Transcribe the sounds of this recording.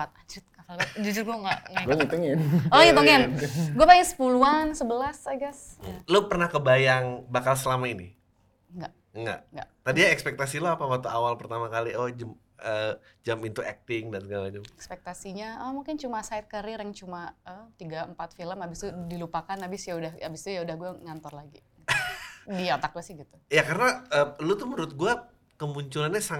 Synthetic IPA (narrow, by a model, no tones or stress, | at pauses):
at̪̚ad͡ʒʊt̪̚kafalɡad͡ʒud͡ʒʊrɡuaŋɡaʔŋɛit̪uŋɛolŋit̪uŋɛnɡuabajaŋsə̥puluansəbəlasaɡaslopərnahkəbajaŋbakalsəlamaini | ŋɡaʔ | ŋɡa̰ʔŋɡa̰ʔt̪adiaɛkspɛk̚t̪asiloapawat̪uawalpərt̪amakaliɔd͡ʒam | əd͡ʒamint̪uʔɛk̚t̪ɪŋdansəɡalad͡ʒamɛkspɛk̚t̪asiɲaəmuŋkɪnt͡ʃumasajt̪̚kəɾiɾɛŋt͡ʃumaət̪iɡaəmpat̪filəmabɪst̪udilupakanabɪsjaudahabɪst̪ujaudahɡuaŋant̪ɔrlaɡi | diat̪ak̚duasɪhɡit̪u̥jakaɾənaəlut̪uməɾʊt̪̚ɡua | kəmuɲt͡ʃulanɲasa